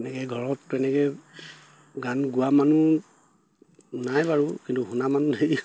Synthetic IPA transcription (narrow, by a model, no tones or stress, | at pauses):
ɛnɛkɛɡʱɔɹɔtːɛnɛkɛ | ɡanɡuamanu | najbaɹukintuɦunamanunej